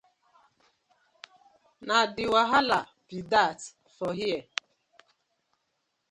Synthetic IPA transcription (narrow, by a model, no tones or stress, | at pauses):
nadɪwaɦala | pidat | fɔɦiɛ